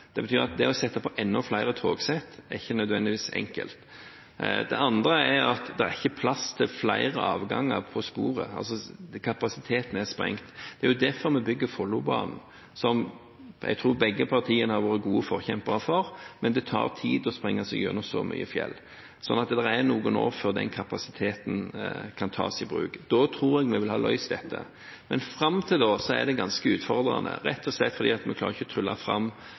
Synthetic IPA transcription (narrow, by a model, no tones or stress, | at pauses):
d̪̥ɛbət̪ʰyːɾɑ̰t̪̚d̪ɛɔsɛt̪ːɑpʰɔʔɛnːɔflæɪɾət̪ʰoːɡsɛt̪ːæɾɪçːənœd̪ʋɛnd̪ɪʋiːsɛ̰ŋkə̰lt̪ | d̪ɛ̰ʔɑnd̪ɾəæɾɑt̪d̪ɛæɾɪçːəpʰlɑst̪ʰɪlflæɪɾəʔɑ̰ːʋɡɑ̰ŋːə̰ɾpʰɔspuːɾə̰ɑ̰ls̬ɔkʰɑpɑsɪt̪ʰeːt̪n̩æʁspɾɛ̰ŋt̪d̪̥ɛæɾjʊd̪æɾfɔɾmɛbʏɡːəfɔlːʊbɑ̰ːnn̩ | sɔm | ɛ̰ɡt̪ʰɾuːbɛɡːəpʰɑʁt̪ʰiːənəhɑɾʋoːɾəɡuːəfɔɾçɛmpəɾɑfɔɾmɛnd̪ɛt̪ʰɑ̰ːɾt̪ʰiːd̪ɔspɾɛŋːɑsɛɡʉ̰nːəsɔ̰my̰ːəfjɛ̰lː | sɔ̰nːɑt̪d̪ɛɾæɾnuːɡəno̰ːfɔɾd̪ɛ̰nkʰɑpɑsɪt̪ʰeːt̪nkʰɑnt̪ʰɑ̰ːsɪbɾʉ̰ːkd̪̥ɔt̪ʰɾuːɾɛɡmɛʋɪlhɑːlʔœ̰ʏsd̪ɛt̪ʰːə̰ | mɛnfɾɑmt̪ʰɪld̪oːsɔæ̰ʁd̪ɛɡɑnskəʉːt̪fɔɾd̪ɾɑ̰nə̰ɾɛt̪ʰːɔslɛt̪ːfɔɾd̪iːɑt̪mɛkʰlɑːɾɪçəɔt̪ʰɾʏlːɑfɾɑ̰mː